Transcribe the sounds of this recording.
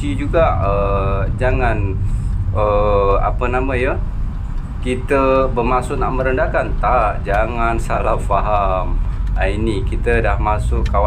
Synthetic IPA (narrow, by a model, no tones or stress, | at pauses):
id͡ʒuɡaʔəd͡ʒaŋan | əa̰pənamãjə | kit̪əbəmasʊʔnaʔmə̃ɾəndakant̪aʔd͡ʒaŋansalafaɦamainikit̪ədahmasʊʔawa